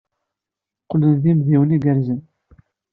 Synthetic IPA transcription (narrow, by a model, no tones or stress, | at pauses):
qːlənðimðiwəniɡəɾzən